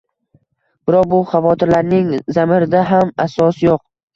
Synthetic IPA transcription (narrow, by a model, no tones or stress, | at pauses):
b̥ɪɾɒq̚bʊχɑvɒt̪ʰɪɾlaɾnɪŋzamɪɾɪd̪aɦamasɒsjoq